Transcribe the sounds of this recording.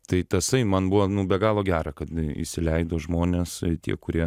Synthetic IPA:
t̪ɐɪt̪ʲɐsɐɪmɐnbʊʋoːnʊbʲɛɡɑːlˠoːɡʲæːɾɑkɐt̪ḭʃʲsʲɪlʲɛɪd̪oːʒmoːnʲeːst̪ʲḭɛkʊɾʲiɛ

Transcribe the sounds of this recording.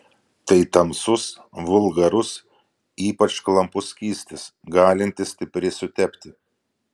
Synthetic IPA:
t̪ɐɪt̪ɐmsʊsʋʊlˠɡɐɾʊs | iːpɐt͡ʃklˠɐmpʊsʲkʲiːsʲt̪ʲɪsɡɑːlʲɪnʲt̪ʲɪsʲt̪ʲɪpʲɾʲɪsʊt̪ʲɛpʲt̪ʲɪ

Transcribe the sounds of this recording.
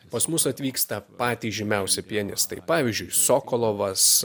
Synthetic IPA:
pɐsmʊsɐt̪ʲʋʲiːkst̪ɐpɑːt̪ʲiːʒʲɪmʲɛʊsʲɛpʲiɛnʲɪst̪ɐɪpɑːʋʲiːzʲd͡ʒʲʊɪsoːkolˠoːʋɐs

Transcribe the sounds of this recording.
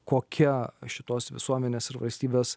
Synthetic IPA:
koːkʲɛʃʲɪt̪oːsʋʲɪ̰suɔmʲɛnʲeːsɪɾʋɐ̰lʲsʲt̪ʲiːbʲeːs

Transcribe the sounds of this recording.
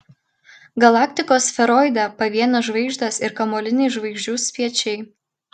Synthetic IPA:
ɡɐlˠɑːkʲt̪ʲɪkoːsfʲɛɾɔɪd̪ʲɐpɐʋʲiɛnɐʒʋɐɪɡʒʲd̪ɐsɪɾkɐmoːlʲɪnʲɛɪʒʋɐɪɡʒʲd͡ʒʲuːsʲpʲiɛt͡ʃʲɛɪ

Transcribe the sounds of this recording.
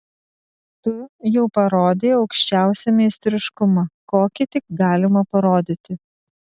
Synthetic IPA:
t̪ʊjɛʊpɐɾoːd̪ʲeːɒʊkʃʲt͡ʃʲæˑʊsʲɛmʲɛɪsʲt̪ʲɾʲɪʃkʊmɐkoːkʲɪt̪ʲɪkɡɑːlʲɪmɐpɐɾoːd̪ʲɪt̪ʲɪ

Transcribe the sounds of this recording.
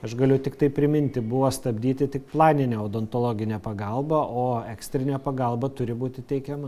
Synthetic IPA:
ɐʃɡɐlʲʊt̪ʲɪkt̪ɐɪpʲɾʲɪmʲɪnʲt̪ʲɪbʊʋost̪ɐbʲd̪ʲiːt̪ʲɪt̪ʲɪkplˠɑːnʲɪnʲeːoːd̪ont̪olˠoːɡʲɪnʲɛːpɐɡɐlˠbɐʔoːɛksʲt̪ʲɾʲɪnʲɛːpɐɡɐlˠbɐt̪ʊɾʲɪbuːt̪ʲɪt̪ʲɛɪkʲɛmɐ

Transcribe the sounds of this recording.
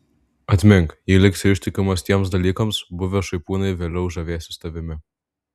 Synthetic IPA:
ɐt̪ʲmʲɪŋkjiːlʲɪksʲɪʃʲt̪ʲɪkʲʊmɔsʲt̪ʲjiɛmsd̪ɐlʲiːkɐmsbʊʋʲɛʃɐɪpuːnɐɪvʲɛlʲɪʊʒɐʋʲeɛsʲɪst̪ɐʋʲɪmʲɪ

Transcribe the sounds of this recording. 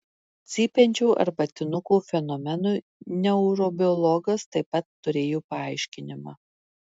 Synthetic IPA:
t̪sʲiːpʲɛnʲt͡ʃʲuːʔɐ̰ɾbɐt̪ʲɪnʊkuːfʲɛnɔmʲɛnuː | nʲɛʊɾɔbʲɪɔlˠɔɡɐst̪ɐɪpːɐt̪ːʊɾʲeːjoːpɐɐɪʃʲkʲɪnʲɪmɑ̰ː

